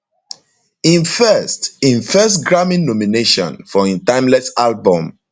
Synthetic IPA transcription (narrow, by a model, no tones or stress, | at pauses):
ĩnfɛstĩnfɛstɡɹamĩnːɔmineʃɔ̰̃nfɔĩntãɪ̃mlɛsalbɔ̃m